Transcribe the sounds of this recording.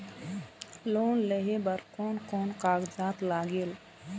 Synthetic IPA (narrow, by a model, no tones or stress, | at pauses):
loːnleɦebəɾkoːnkoːnqaːɡzaːt̪laːɡeːl